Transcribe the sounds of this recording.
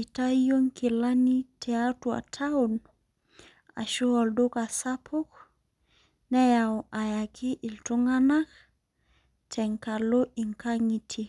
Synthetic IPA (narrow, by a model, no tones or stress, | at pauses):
itajoŋkilanitʰɛatua̰tʰaun | a̰ʃuɔldokasapʰuk | nɛjawʔajakʰiʔiltuŋanak | tʰɛŋkaloʔiŋkaŋitʰi